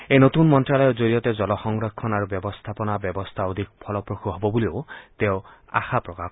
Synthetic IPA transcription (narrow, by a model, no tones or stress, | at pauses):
ejnot̪unmɔntɾalɔjɔd͡ʒoɾijɔt̪ed͡ʒɔlɔxɔŋɡɾɔkʰːɔnaɾubjɔbɔst̪ʰapɔnabjɔbɔst̪ʰaod̪ʱik̚pʰɔlɔpɾoxʰuɦɔbɔbuliot̪eʊa̰xapɾɔka